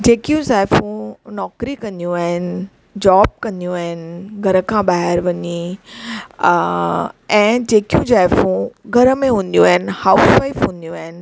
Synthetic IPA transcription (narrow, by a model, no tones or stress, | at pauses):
d͡ʑeːkijũsaːɪfũnɔːkɾikɐ̃nd̪jũaːɦɪnɪ̆ | d͡ʑɔːb̚kɐ̃nd̪ijũaːɦɪnɪɡʱɐɾəkʰãɓaːɦɪɾʋɐɲi | ɛ̃ːd͡ʑeːkijũd͡ʑaːfũɡʱɐɾəmẽɦũːn̆d̪jũaːɦɪnhaːʊsʋaːɪfɦũːnd̪ijũaːɦɪnɪ̆